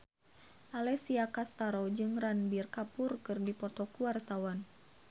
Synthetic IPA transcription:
ʔalɛsiakast̪aɾɔd͡ʒɨŋranbirkapʊrkɨrdipɔt̪ɔkuwart̪awan

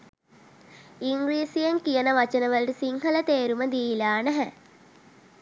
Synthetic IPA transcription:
iŋɡɾiːsijəŋkijənəʋat͡ʃənəʋəlʈəsiŋɦələt̪eːɾuməd̪iilaːnɛɦæ

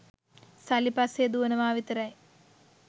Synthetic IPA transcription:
sɐlipased̪uɐnɐʋaːʋit̪ɐɾɐj

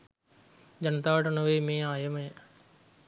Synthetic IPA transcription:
d͡ʒɐnɐt̪aːʈɐnɐʋeːmeːaːjɐmɐjɐ

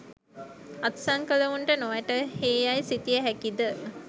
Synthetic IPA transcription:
at̪saŋkələʋuɳʈənoʋæʈəheːjajsit̪ijəɦækid̪ə

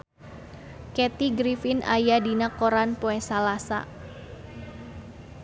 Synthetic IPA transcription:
kɛt̪iɡɾifɪna̰jadinakoɾanpoɛsalasa̰

